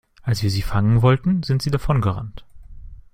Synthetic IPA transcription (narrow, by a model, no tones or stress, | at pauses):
ʔalsv̥iːɐziːfaŋənvɔltn̩zɪntz̥iːdafɔnɡəʁa̰nt